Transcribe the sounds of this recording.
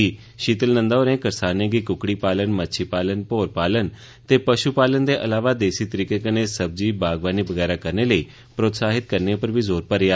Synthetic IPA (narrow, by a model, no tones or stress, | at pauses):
iː | ʃiːt̪əlnə̃nd̪aoːɾẽːkəɾsaːnẽːɡiːkʊkɽiːpaːlənmətːʃʰiːpaːlənpoːɾpaːlən | t̪eːpəʃuːpaːlənd̪eːʔəlaːʋaːd̪eːsiːt̪əɾiːkeːkəneːsəb̚d͡ʒiːbaːɡʋaːniːbəɡɛːɾaːkəɾneːləiː | pɾoːt̪saːɦɪt̪̚kəɾnẽpəɾbiːzoːɾpəɾɪaː